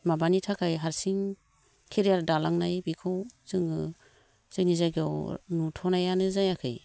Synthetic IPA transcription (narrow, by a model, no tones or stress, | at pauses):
mabanitʰakʰajɦaɾsiŋ | kʰeɾijaɾdalaŋnajbikʰɯwzɯŋɯ | z̥ɯnizajɡawnutʰɔnajanɯzajakʰɯ̰j